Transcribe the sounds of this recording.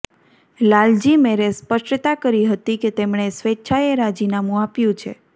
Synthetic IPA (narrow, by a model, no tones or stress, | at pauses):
lald͡ʒimeɾespəʃʈt̪akəɾiɦət̪iket̪emɳ̃esʋetːʃʰaeɾad͡ʒinamũapjũt͡ʃʰḛ